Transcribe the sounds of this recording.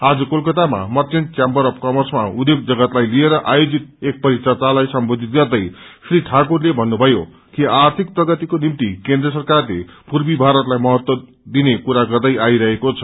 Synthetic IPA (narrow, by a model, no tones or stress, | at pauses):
ad͡zʌkolkʌt̪ama̰mʌrt͡sent͡sjambʌɾʌpkʌmʌrsma̰ud̪joɡ̚d͡zʌɡʌt̪lajlieɾʌʔajod͡zit̪̚ek̚pʌɾit̪rʌt̪alajsʌmbod̪ʱit̪̚ɡʌrd̪ʌjsriʈʰakurlebʱʌnːubʱʌjo | kiart̪ʰik̚prʌɡʌt̪ikonimt̪ikend̪rʌs̬ʌrkarlḛpurbibʱaɾʌt̪lajmʌɦʌt̪wʌ | d̪inekuɾaɡʌrd̪ʌjʔaiɾʌɦekot͡sʰʌ̥